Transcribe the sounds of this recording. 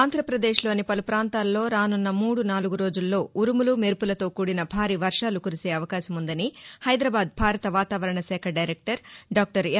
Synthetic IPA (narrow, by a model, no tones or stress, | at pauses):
nd̪ʱɾɐpɾɐd̪e̞ːʂlo̞ːnipɐlupɾaːnt̪aːlːo̞ːɾaːnunːɐmuːɽunaːluɡuɾo̞ːd͡ʒulːo̞ːuɾumulumeɾpulɐt̪o̞ːkuːɽinɐbʱaːɾiːʋɐɾʂaːlukuɾise̞ːɐʋɐkaːʃɐmund̪ɐnihɐjd̪ɾɐbaːd̪̚bʱaːɾɐt̪ɐʋaːt̪aːʋɐɾɐɳɐsɛːkʰɐɖɐjɾek̚ʈɐɾɖaːk̚ʈɐɾ